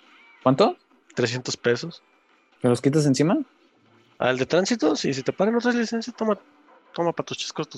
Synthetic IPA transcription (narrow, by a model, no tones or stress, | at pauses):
kwant̪o | t̪ɾesje̞nt̪o̞spe̞so̞s | keloskit̪̬as̬ensima | a̰ld̪e̞t̪ɾansit̪osis̬it̪e̞paɾeno̞t̪ɾazlisensjast̪oma | t̪omapat̪ust͡ʃi̥skost̪u